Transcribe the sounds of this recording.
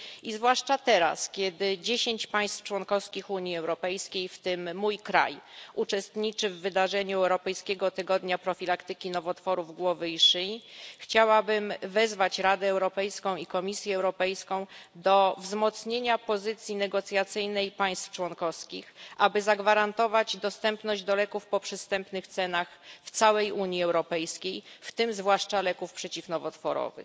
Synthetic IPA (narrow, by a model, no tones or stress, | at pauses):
izvwaʂt͡ʂat̪ɛɾa̰skʲjɛd̪ɘd͡ʑeɕeɲt͡ɕpaj̃st̪ft͡ʂwɔnkɔfskʲixuɲiɛwɾɔpɛjskʲejft̪ɘmːujkɾa̰jut͡ʂɛst̪ɲit͡ʂɘvːɘd̪aʐɛɲuɛwɾɔpɛjskʲɛɡɔt̪ɘɡɔd̪ɲapɾɔfʲilakt̪ɘkʲinɔvɔt̪fɔɾuvɡwɔvɘiʂɘxt͡ɕawabɘmvɛzvat͡ɕɾad̪ɛːwɾɔpɛjskɔ̃w̃ikɔmʲisʲjɛːwɾɔpɛjskɔ̃w̃d̪ɔvzmɔt̪sɲeɲapɔzɘt̪sʲjinɛɡɔt̪sʲjat̪sɘjnɛjpaj̃st̪ft͡ʂwɔnkɔfskʲixʔabɘzaɡvaɾant̪ɔvad͡ʑd̪ɔst̪ɛmpnɔʑd͡ʑd̪ɔlɛkufpɔpʂɛst̪ɛmpnɘxt̪sɛnaxft̪sawɛjuɲjiɛwɾɔpɛjskʲejft̪ɘmzvwaʂt͡ʂalɛkufpʂɛt͡ɕifnɔvɔt̪fɔ̰ɾɔ̰vɘ̰x